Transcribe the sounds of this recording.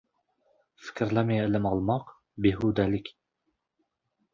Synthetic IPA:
fɪ̥kʲʰɾlamijlɪmɑlˠmɑq | bɪɦʊd̪ælɪkʲ

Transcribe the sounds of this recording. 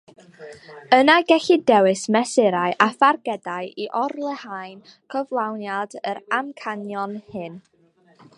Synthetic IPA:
ənaɡɛɬidɛwɨsmɛsɪɾaɨʔafarɡɛdaɨʔiʔɔrlˠɛhajn | kʰəvlˠawnjadəɾamkʰanjɔnhɪn

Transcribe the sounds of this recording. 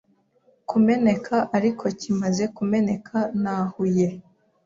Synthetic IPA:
kume̞ne̞kʰaʔaɾikʰo̞cimaze̞kume̞ne̞kʰanaːhuje̞

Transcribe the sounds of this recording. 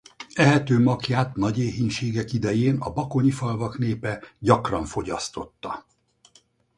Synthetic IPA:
ɛɦɛt̪øːmɒkjaːt̪nɒɟeːɦiɲʃeːɡɛkid̪ɛjeːnɒ̰bɒko̞ɲifɒlvɒkn̪eːpɛɟɒkrɒɱfo̞ɟɒst̪o̞t̪ːɒ

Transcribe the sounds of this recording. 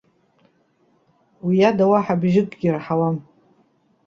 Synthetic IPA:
wijadawaħabʒɪkʼɡʲɪrħawam

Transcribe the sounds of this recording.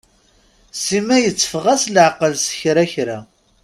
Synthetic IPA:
simæjət͡sːə̥fʁæslʕqəlsə̥çɾæçɾæ

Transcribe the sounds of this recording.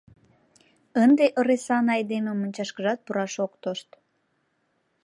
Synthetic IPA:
ənd̪eʔəɾesɑnɑjd̪ememonʲt͡ɕɑʃkəʒɑt̪̚puɾɑʃokt̪oʃt̪

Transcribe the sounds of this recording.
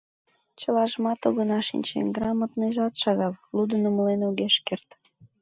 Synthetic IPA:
t͡ɕəlɑʒəmɑt̪oɣənɑʃḭnʲt͡ɕḛnɡrɑmət̪nəjʒɑt̪ʃɑɣɑllud̪ənəməlenuɣeʃkert̪

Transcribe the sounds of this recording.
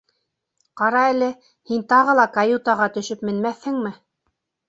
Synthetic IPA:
qɑɾɑælɘ | hint̪ɑʁɤ̆lˠɑkajut̪ɑʁɑt̪ɵ̆ʃɵpmɘ̆nmæθhɘŋmɘ

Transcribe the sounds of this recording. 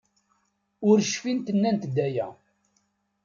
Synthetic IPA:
ʊɾʃfint̪ənːænt̪d̪ːæjæ

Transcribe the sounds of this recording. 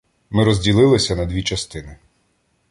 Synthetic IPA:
mɪɾɔzʲdʲilˠɪlˠɪsʲɐnɐd̪ʲʋʲit͡ʃɐst̪ɪnɪ

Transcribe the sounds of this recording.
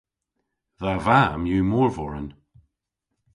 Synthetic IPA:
ðavamjuːmɔːɹvɔɹən

